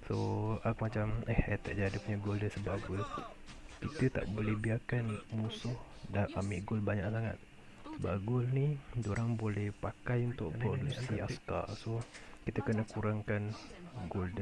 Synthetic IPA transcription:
soakumat͡ʃamɛhat̪aʔd͡ʒaadəpuɲaɡʊldəsəbaʔɡʊl | kit̪ət̪a̰ʔbolɛhbiakanmusʊh | daʔamɪʔɡʊlbaɲaʔsaŋa̰t̪̚ | səba̰ɡʊlnid͡ʒoɾaŋbolɛhpakajunt̪ʊʔpɾodusiaska̰sokit̪əkənəkuɾaŋkanɡoldə

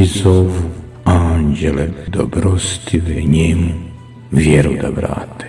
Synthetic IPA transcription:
izoʋu | aːnd͡ʑeled̪o̰bɾost̪ʰiʋɛɲemu | ʋjeɾud̪a̰ʋɾa̰ːt̪e̥

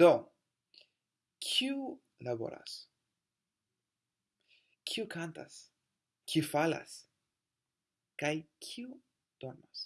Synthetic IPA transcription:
d̪̥o | kʰiu | labo̞̰ɾa̰s | kʰiukʰanta̰s | kʰiufala̰s | kajkʰiu | d̪̥oɾmas

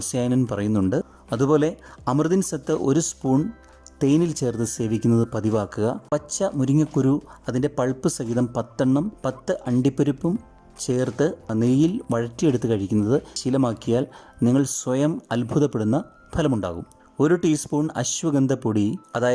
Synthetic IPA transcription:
sejɐnɐnpɐrɐjunːuɳɖɨ | ɐðubo̞ːle̞ɐmrɨðinsɐt̪ːɨʔo̞ɾuspuːɳ | t̪e̞ːnilt͡ɕe̞ːrt̪ɨse̞ːʋikʲːunːɐðɨpɐðiʋaːkːuɣɐpɐt͡ɕːɐmuɾiŋːɐkːuɾuɐðinde̞pɐɭpɨsɐɣiːðɐmpɐt̪ːɐɳːɐmpɐt̪ːɨʔɐɳɖipːɐɾipːum | t͡ɕe̞ːrt̪ːɨneːjilʋɐɻɐtːije̞ɽut̪ːɨkɐɻikʲːunːɐðɨɕilɐmaːkːijaːlniŋːɐɭswɐjɐmɐlbʱuðɐpːe̞ɽunːɐ | pʰɐlɐmuɳɖa̰ːɣum | o̞ɾuʈiːspuːɳɐ̰ɕʋɐɡɐnd̪ʱɐpːoɽiɐðaːjɐ

